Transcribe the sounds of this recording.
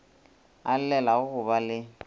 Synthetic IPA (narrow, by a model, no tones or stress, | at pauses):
al̩lɛlaɣʊɣʊbalɪ